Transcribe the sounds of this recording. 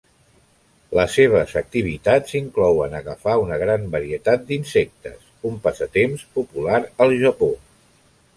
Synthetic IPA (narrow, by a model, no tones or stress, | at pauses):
ləsːeβ̞əzək̚t̪iβ̞it̪at͡siŋklɔwənəɣəfaunəɣɾambəɾiət̪at̪̚d̪insɛk̚t̪ə̰sumpazət̪emspupulaɾəlˠʒəpo